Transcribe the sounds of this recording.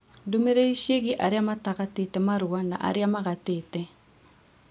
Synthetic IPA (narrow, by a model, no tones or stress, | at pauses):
domeɾeɾiʃieɣiʔaɾeamataɣatetɛmaɾuana̰ʔa̰ɾeamaɣateːtɛ